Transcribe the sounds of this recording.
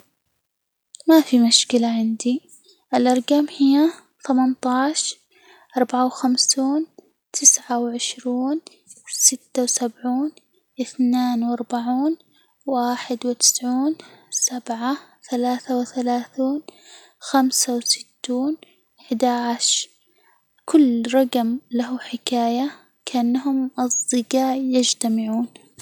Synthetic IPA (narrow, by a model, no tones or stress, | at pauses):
mafimʊʃkɪlaʕɪnd̪i | ʔɪlʔɑɾˤɡamhɪjːa | θamant̪ˤɑːʃ | ʔɑɾˤbaʕawxamsuːn | t̪ʰɪsʕawʕɪʃɾuːn | sɪt̪ːawsabʕuːn | ʔɪθneːnwʔɑɾˤbaʕuːn | waːħɪd̪wɪt̪ɪ̥sʕuːnsabʕaθalaːθawɪθalaːθuːn | xamsawsɪ̥t̪ːuːn | ɪħɪd̪aʕaʃ | kʊlːɾˤɑɡmlaɦuħɪkaːja | kaʔanːaɦʊmʔɑsˤd̪ɨɡaːʕjɪd͡ʒt̪amɪʕuːn